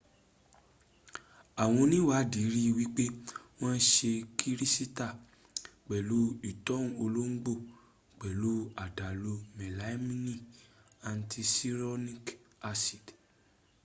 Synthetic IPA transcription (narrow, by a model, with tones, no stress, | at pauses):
a˨w̃ɔ̃˧nĩ˦wa˨˦di˨˦ɾi˦˧wi˦k͡pe˦w̃ɔ̃˦n̩˦ʃe˧kʰi˦ɾi˦si˦ta˦˨ | k͡pɛ˨lu˨˦i˨tɔ˦ũ˨o˧lo˦ŋ̩˦ɡ͡bo˦˨ | k͡pɛ˨lu˨˦a˨da˨lo˧mɛ˨la˨˦mĩ˦nĩ˦˨ | a˧n̩˦tʰi˧si˦ɾɔ˦nĩ˦ka˧si˨d